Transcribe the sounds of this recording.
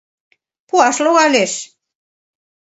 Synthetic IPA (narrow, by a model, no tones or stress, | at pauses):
puɑʃloɣɑleʃ